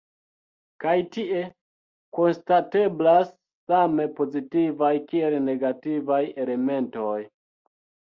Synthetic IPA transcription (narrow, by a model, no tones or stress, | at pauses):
kajtiʔe̞ | ko̞nstate̞blasː | ame̞po̞zitivajkie̞lne̞ɡativaje̞le̞me̞nto̞j